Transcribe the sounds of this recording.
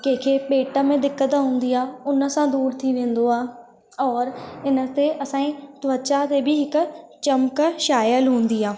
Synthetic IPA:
kɐ̃ɦɪ̃kʰepeːʈəmẽd̪ɪkːət̪aɦũːn̆d̪iaːʊnə̆sãd̪uːɾt̪ʰiʋẽːn̆d̪oaː | ɔːɾɪnə̆t̪eʔɐsãːĩt̪ʊʋət͡ɕat̪ebʱɪɦɪk̆t͡ɕɐmkʃaːjəlɦũːn̆d̪iaː

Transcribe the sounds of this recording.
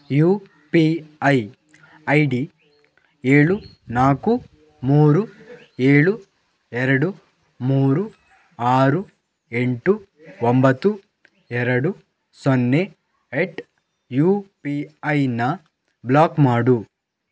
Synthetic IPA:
juː | piɐj | ɐjɖi | eːɭu | naːku | muːɾu | eːɭu | ɛɾɐɽu | muːɾu | aːɾu | e̞ɳʈu | ombɐt̪ːu | ɛɾɐɽu | sonːe | eʈ | juːpiɐjnɐ | blaːkmaːɽu

